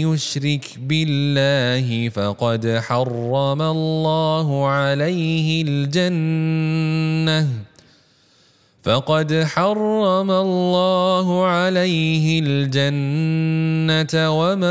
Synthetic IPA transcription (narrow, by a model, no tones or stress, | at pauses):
jʊʃɾɪkbɪlːaːɦɪfɑqɑd̪ħɑrˤːɑmalːɑːɦʊʕalajɦɪld͡ʒan | a | fɑqɑd̪ħɑrˤːɑmalːɑːɦʊʕalajɦɪld͡ʒanː | at̪wama